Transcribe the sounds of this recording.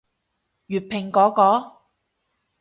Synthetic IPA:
jyː˨˩t̚pʰɪ˨˩ŋkɔː˨˥kɔː˨˥

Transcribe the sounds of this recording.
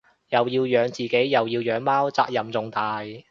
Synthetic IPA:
jɐ˨wjiː˧wjœː˨˧ŋt͡siː˨ke˨˥jːɐ˨wjiː˧wjœː˨˥ŋmaː˥wt͡sa̰ː˧k̚jɐ˨mt͡sʊ˨ŋt̪aː˨j

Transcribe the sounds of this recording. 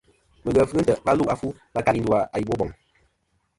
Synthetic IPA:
mə˨ɣə˨fɨ˦ɨ˦n˦tə˨ba˦lu˦ʔa˦fu˦ | ba˦ka˦ɾi˦n˦du˦a˨a˨ji˨bo˦bɔ˨ŋ

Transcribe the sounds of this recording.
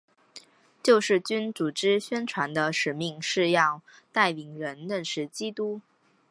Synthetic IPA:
t͡ɕjo˥˧ʊʂɻ̩˥˩t͡ɕy˥nt͡su˨˩ʈ͡ʂɻ̩˥ɕɥɛ˥nʈ͡ʂʰwa˧˥nd̪ə˧ʂɻ̩˨˩mi˥˧ŋʂɻ̩˥˧jɑ˥˧ʊ | t̪a˥˩ɪli˨˩ŋɻə˧˥nlə˥˩nʂɻ̩˧˥t͡ɕi˥t̪u˥

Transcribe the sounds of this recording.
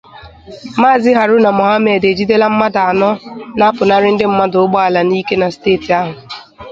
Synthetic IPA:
ma˦˨zɪ˦ɦa˨ɾʊ˦na˨mɔ˨ɦa˦me˦˨de˨d͡ʒi˦de˦la˦m̩˦ma˦da˨a˨nɔ˦na˦pʊ˨na˦ɾɪ˦n̩˦dɪ˦m̩˦ma˦dʊ˨ʊ˦ɡ͡bɔ˦a˨la˨ni˦ke˦na˨steː˦˨ti˨a˦ɦʊ˨

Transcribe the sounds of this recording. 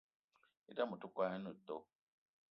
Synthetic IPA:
i˦ta˦mu˨tu˦kʷa˦ɛ˦nu˨to˦

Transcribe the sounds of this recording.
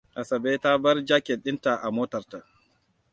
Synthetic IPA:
ʔa˨sɐ˨beː˦ta˦bɐ˦rd͡ʒa˦kʲe˨ɗɪ˦nta˨ʔa˨moː˦tɐ˨rta˨ʔ

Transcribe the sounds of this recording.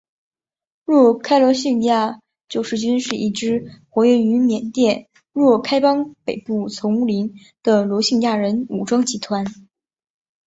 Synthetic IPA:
ɻwɔ˥˩kʰa˥ɪlwɔ˧˥ɕi˥˩ŋ˧ja˥˩ | t͡ɕjo˨˩ʊʂɻ̩˥˩t͡ɕy˥nʂɻ̩˥˩ʔi˥˩ʈ͡ʂɻ̩˥xwɔ˧˥ɥɛ˥˩ny˧˥mjɛ˨˩nt̪jɛ˥˩n | ɻwɔ˥˩kʰa˥ɪpɑ˥ŋpe˨˩ɪpu˥˩t͡sʰʊ˧˥ŋu˥˩li˧˥n | d̪̥ə˨lwɔ˧˥ɕi˥˧ŋja˥˩ɻə˧˥nu˨˩ʈ͡ʂwɑ˥ŋt͡ɕi˧˥t̪ʰwa˧˥n

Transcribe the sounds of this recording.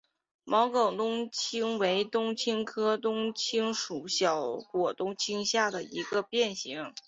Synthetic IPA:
mʔɑ˧˥ʊkɑ˨˩ʊt̪ʊ˥ŋt͡ɕʰi˥ŋwe˧˥ɪt̪ʊ˥ŋt͡ɕʰi˥ŋkʰɤ˥t̪ʊ˥ŋt͡ɕʰi˥ŋʂu˨˩ɕjɑ˨˩ʊkwɔ˨˩t̪ʊ˥ŋt͡ɕʰi˥ŋɕja˥˩d̪ə˩ḭ˧˥ɡə˧pjɛ˥˩nɕi˧˥ŋ

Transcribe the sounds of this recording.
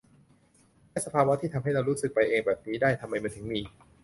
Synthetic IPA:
lɛː˦˥sa˧pʰaː˧wa˦˥t̪ʰiː˥˩t̪ʰa˧mɦa˥˩jɾa˧wɾuː˦˥sɯ˨˩k̚pa˧jʔeː˧ŋbɛː˨˩p̚niː˦˥daː˥˩jt̪ʰa˧mːa˧jma˧t̪ʰɯ˩˦ŋmiː˧

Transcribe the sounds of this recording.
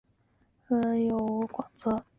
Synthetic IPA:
ə˧˩jo˨˩kwa˨˩ŋt͡sɤ˧˥

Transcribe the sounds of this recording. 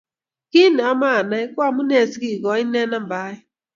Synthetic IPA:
ki˦n˨a˦ma˦a˨na˦ɪ˦kʷa˦mu˦ne˨si˦ɡi˨ɡɔ˨˦ɪ˦ne˦na˦m̩˨ba˦ɪ˦

